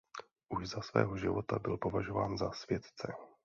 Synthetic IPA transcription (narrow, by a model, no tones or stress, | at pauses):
ʔuʒzasvɛ̰ːɦo̞ʒɪvo̞t̪abɪlpo̞vaʒo̞vaːnzasvjɛt̪t͡sɛ